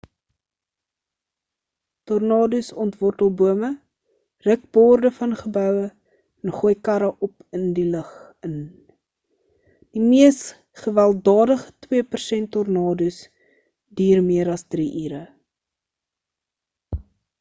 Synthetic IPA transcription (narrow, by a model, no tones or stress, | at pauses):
tɔrnɑːdysɔntvɔrtəlˠbuəmə | rək̚bɔːrdəfɐnχəbœwə | ɛnχuəjkɐɾəʔɔpəndiləχ | ən | d̥imiəs | χəvælˠdɑːdəχə̥twiəpərsɛntːɔrnɑːdys | diːrmiəɾɐsdriʔiːɾə